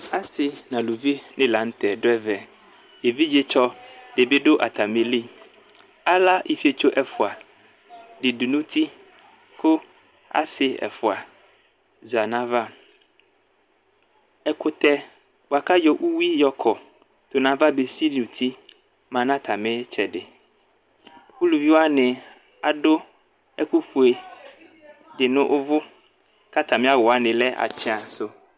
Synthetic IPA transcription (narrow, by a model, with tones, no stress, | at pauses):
a˦sɪ˨nã˨lu˨vi˦nɪ̃˦la˨˦n̩˦t̪ɛ˨ɖʊ˦ɛ˦vɛ˨ | je˨vi˦d͡ʒe˦t͡ʃɔ˦ɖe˨be˦ɖʊ˦ʔa̰˨t̪a˨me˨li˦˨ | a˦la˦ʔi˨fi˦e˦˨t͡ʃo˦ʔɛ˨fʊ˨a˨ | ɖɪ˨du˨nũ˦t̪ʰi˦ | kʊ˦ | a̰˦sɪ˦ɛ̰˨fʊ˨a˨ | za˨nã˦va˦ | ɛ˦kʊ˦t̪ɛ˦ | wo˨a˨ka˦jɔ˦ʔu˦wi˦jɔ˨kʰɔ˨ | t̪o˨nã˦va˦be˨si˦li˨u˨t̪ʰi˦ | mã˨nã˦t̪ʰa˨mẽ˦t͡ʃɛ˨ɖɪ˨ | wu˦lu˨vi˦wo˦a˦nɛ̃˨ | a˨ɖo˦ | ḛ˦ku˦fu˨e˨ | dɪ˨nʊ̃˦ʔʊ˦vʊ˦ | ka˦t̪ã˨mẽ˦a˦wɔ˨a˨nɪ̃˨lɛ˦ʔa̰˨t͡ʃɛ˦a˨so˦